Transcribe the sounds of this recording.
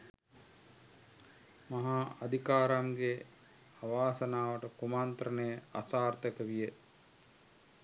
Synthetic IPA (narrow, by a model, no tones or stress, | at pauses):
maɦaad̪ʱikaːɾamɡe | aʋaːsənaːʋəʈəkumant̪ɾənəjəasaːrt̪əkəʋijə